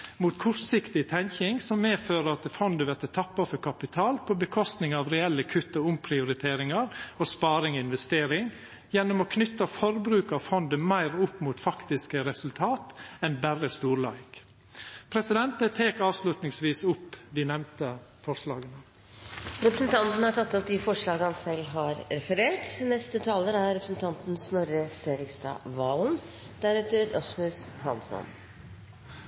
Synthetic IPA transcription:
muːt̪kʰʊɾsɪkt̪ɪt̪ʰɛŋkɪŋsɔmːeːføːɾəɑt̪fɔnd̪əʋɛɾt̪ət̪ʰɑpːɑfɔɾkʰɑpɪt̪ʰɑːlpʰɔbəkʰɔst̪nɪŋɑːʋɾɛɛlːəkʰʉt̪ːɔʊmpʰɾɪʊɾɪt̪ʰeːɾɪŋɑɾoːspɑːɾɪŋɔɪnʋɛst̪eːɾɪŋ | jɛnːʊmoːkʰnʏt̪ːɑfɔɾbɾʉːkɑʋfɔnd̪əmæɪɾʊpːmuːt̪fɑkt̪ɪskəɾɛsʉlt̪ʰɑːt̪ɛnbærəst̪uːɾlɑ̰ːɡ̥ | pʰɾɛsɪd̪ɛnt̪ət̪ʰeːkɑːʋslʉt̪nɪŋsʋiːsʊpːd̪ɪnɛmnt̪əfɔʂlɑːɡənə | ɾɛpɾəsn̩t̪ʰɑnt̪n̩hɑʈʰɑt̪ːɔp̚d̪ɪfɔʂɭɑːɡəhɑnsɛlːɦɑɾɾɛfəɾeːʈnɛst̪ət̪ʰɑːləɾæɾɾɛpɾəsn̩t̪ʰɑnt̪n̩snɔɾəseːɾɪkst̪ɑ̰ːʋɑln | d̪̥æɾɛːt̪əɾɔ̰smʉshɑ̰msɔ̰n

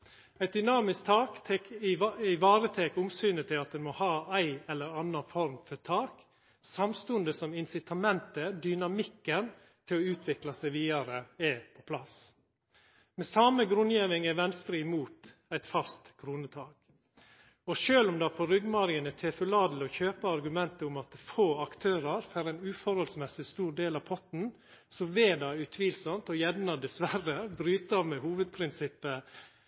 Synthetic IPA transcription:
æɪt̪̚d̪ʏnɑːmɪskt̪ʰɑːkt̪ʰɛkɪɪʋɑːɾət̪ʰeːkʊmsyːnət̪ʰɪlɑt̪̚ɛnmɔhɑːæɪɛlːəɾɑnːɑfɔɾmfɔt̪ʰɑːk | sɑmst̪ʉnd̪əsɔmɪnsɪt̪ʰɑmɛnt̪əd̪ʏnɑmɪkːən | t̪ʰɪlɔʉːt̪ʰʋɪklɑsæɪʋiːɑɾəɛpʰɔpʰlɑs | mɛsɑməɡɾʉnjeːʋɪŋæʋɛnst̪ɾəɪmuːt̪æɪt̪fɑst̪kʰɾuːnət̪ʰɑːɡ | ɔʃøːlʊmd̪ɑpʰɔɾʏɡmɑɾɪənət̪ʰɛfʉlɑːd̪l̩ɔçøːpəɑɾɡʉmɛnt̪əʊmɑt̪foːɑkt̪ʰøːɾɑɾfæɾæɪnʉːfɔɾhɔlsmɛsɪst̪uːɾɖ̪eːlɑʋpʰɔt̪n̩ | sɔʋeːd̪ɑʉt̪ʰʋiːlsɔmt̪ɔjɛdnɑd̪ɛsʋæɾəbɾyːt̪ɑmɛhuːʋəd̪̚pʰɾɪnsɪpːə

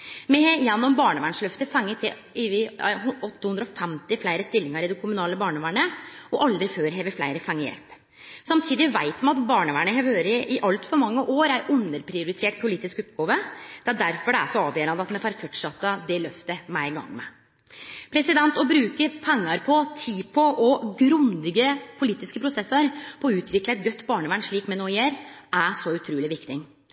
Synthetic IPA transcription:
mɛjɛnːɔmbɑːɳəʋæːɳʂlœft̪əfɛŋːət̪ʰɪ | ɪʋɪɦɔt̪ːəhʉnd̪ɾɔfɛmt̪ɪflæɪɾəst̪ɪlːɪŋɑɾɪd̪ɛkʰʊmʉnɑːləbɑːɳəʋæːɳəɔʔɑld̪ɾɪføːɾɦeːʋəɾflæɪɾəfɛŋːəjɛ̰lp | sɑmt̪ʰiːd̪ɪʋæɪt̪mɛɑt̪bɑːɳəʋæːɳəɦeːʋhøːɾəʔɪʔɑlt̪fɔɾmɑŋːəʔoːɾæɾʔʉnːəɾpʰɾɪʊɾɪt̪ʰeːʈ̚pʰʊliːt̪ɪskɔpɡɑːʋəd̪̥ɛæɖ̪æɾfɔɖɛæ̰ʂɔɑːʋjøːɾɑnd̪əɑt̪mɛfɑɾfɔʈʂɑt̪ːəd̪ɛlœft̪əmæɪɡɑ̰ŋːmɛ̰ | pʰɾɛsɪd̪ɛnt̪ɔbɾʉːkəpʰɛŋːɑɾpʰɔt̪ʰiːpʰɔʔɔɡɾʉnd̪ɪɡəpʰʊliːt̪ɪskəpʰɾʊsɛsəɾpʰɔɔʉːt̪ʰʋɪkləɛt̪̚ɡœt̪ːbɑːɳəʋæːɳʂɭiːkmɛnoːɪjeːɾæʂɔʉt̪ʰɾuːlɪʋɪkt̪ɪŋ

